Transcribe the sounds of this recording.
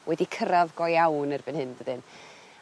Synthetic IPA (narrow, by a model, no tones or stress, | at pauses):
wɛdikʰəɾaðɡɔjawnərbɨnhɨndədɨn